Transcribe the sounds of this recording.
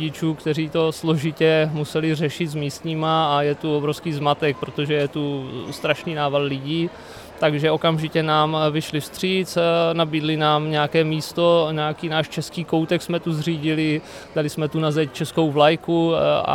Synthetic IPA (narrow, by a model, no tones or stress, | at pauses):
ɪt͡ʃuːkt̪ɛr̝iːt̪o̞slo̞ʒɪcɛmusɛlɪr̝ɛʃɪt̪zmiːst̪ɲiːmaajɛt̪uobɾofskiːzmat̪ɛk̚pɾo̞t̪o̞ʒɛjɛt̪ust̪ɾaʃniːnaːvadlɪɟiː | t̪aɡʒɛo̞kamʒɪcɛnaːmvɪʃlɪfst̪r̝̥iːt͡snabiːdlɪnaːmɲɛakɛːmiːst̪o̞ɲɛakiːnaːʃt͡ʃɛskiːko̞wt̪ɛksmɛt̪uzr̝iːɟɪlɪ | d̥alɪsmɛt̪unazɛct͡ʃɛsko̞wvlajkua̰